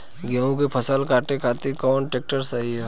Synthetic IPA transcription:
ɡeũkepʰɐsəlkaːʈekʰaːt̪ikɔːnʈeːk̚ʈəɾsaɦiɦɛ

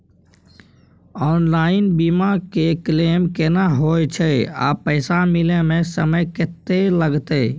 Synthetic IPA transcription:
ɔːnlaːɪnbimakeklemkenaɦojt͡ʃʰəa̰pəɪsamilemẽsəməjket̪ːeləɡt̪e

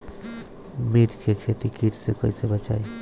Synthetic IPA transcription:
miʈkʰekʰet̪ikiʈsekəisebət͡ʃaj

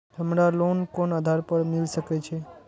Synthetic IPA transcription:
ɦəmɾalonkonəd̪ʱaɾpəɾmɪlsəket͡ʃʰe

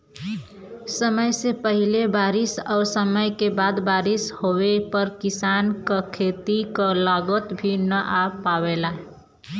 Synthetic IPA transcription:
səməjsepəɦilebaːɾɪsɔːɾsəməjkebaːd̪baːɾɪshowepəɾkɪsaːnkakʰet̪ikalaɡət̪bʱinəʔapawelaɦ

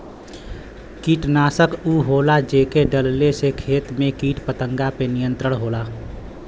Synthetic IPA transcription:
kiːʈnaːsəkuːɦoːlad͡ʒeːkeɖəllesekʰeːt̪mẽkiːʈpət̪ə̃ŋɡapenɪjə̃nt̪ɾəɽ̃ɦoːlaː

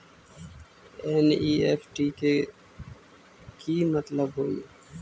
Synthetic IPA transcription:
eːniːefʈiːke | kiːmət̪ləbɦoːḭː

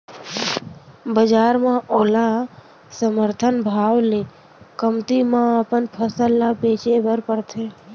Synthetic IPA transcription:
bəd͡ʒaːɾmãʔoːlã | səməɾt̪ʰənbʱaːwle | kəmt̪imãəpənpʰəsəlːabeːt͡ʃebəɾpəɾt̪ʰe

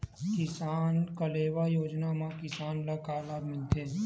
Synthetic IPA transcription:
kɪsaːnkəleːʋajoːd͡ʒnamãkɪsaːnlakaːlaːd̪mɪlt̪ʰeː

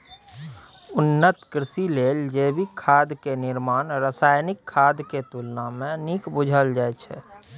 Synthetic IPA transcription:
ʊnːət̪kɾɪsileːld͡ʒeːbʱikʰːaːd̪kenɪɾmaːnɾəsaːjnɪkʰːaːd̪ket̪ulnamẽnikbʊd͡ʒʱəld͡ʒaːɛt͡ʃʰɛ̰

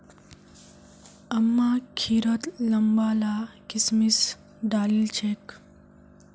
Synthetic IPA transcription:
ɐmːakʰiːɾət̪lɐmbalakismis | ɖaːlilt͡ʃʰek

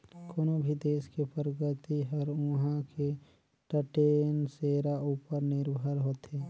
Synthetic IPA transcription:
koːnobʱid̪eːskepɾəɡət̪iɦəɾʊɦãkʰe | ʈəʈeːnseːɾauːpəɾnɪɾbʱəɾɦoːt̪ɦeː

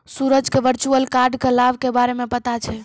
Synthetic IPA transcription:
suɾəd͡ʒkeʋəɾt͡ʃuəlkaɾɖkelabkebaɾemẽpət̪at͡ʃʰɛ

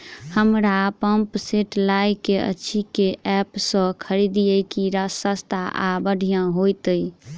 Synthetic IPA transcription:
həmɾapəmpseʈlajkeə̰t͡ʃʰikeʔɛpsə̃kʰəɾid̪ijəjkiɾəsəst̪ʰaʔa̰bəɖʱijãɦojt̪əj

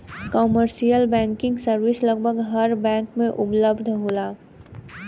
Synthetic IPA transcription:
kɔːməɾʃijəlbɛ̃ːŋkɪ̃ŋɡsəɾwɪslɐɡ̚bʱəɡɦɐɾbɛ̃ːŋkmẽʔʊpləbd̪ʱɦoːlaː

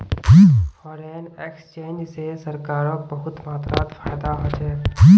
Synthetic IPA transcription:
bifʰɔːɾenekst͡ʃeːnd͡ʒsesəɾkaːɾõk̚bəɦʊt̪maːt̪ɾaːt̪fʰaːjd̪aɦod͡ʒaei

